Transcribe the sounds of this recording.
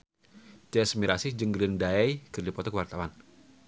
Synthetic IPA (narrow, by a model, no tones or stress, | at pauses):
t͡ʃɛsmiɾasid͡ʒəŋɡɾɪndaɛjkərdipɔt̪ɔkəwart̪awan